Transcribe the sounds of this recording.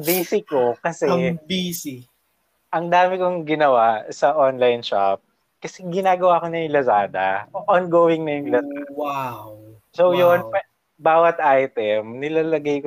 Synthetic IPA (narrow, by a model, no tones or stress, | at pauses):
biːsɪkokɐsɛbisi | ʔɐŋd̪aːmɪkoŋɡɪnɐwasɐʔonlajnʃa̰p̚ | kɐsɛɡɪnaːɡɐwaːkoɲɐjŋlɐsaːd̪ɐ̰oʔɔnɡoːwɪŋnɐjʊŋlɐsa̰waw | sowjonp | baːwɐt̪̚ʔajt̪ɛmnɪlaːlɐɡajko